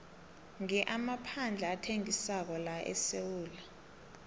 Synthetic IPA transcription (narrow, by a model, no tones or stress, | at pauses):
ŋɛʔamapʰand͡ɮʱaːtʰeŋisak̬ɔlaʔɛ̰sewuːla